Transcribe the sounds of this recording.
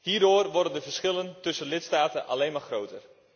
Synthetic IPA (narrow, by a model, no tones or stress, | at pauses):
hiːrdoːrʋɔrdəndəvərsχɪləntɵsənlɪtstaːtənʔa̰leːnmarxrowtər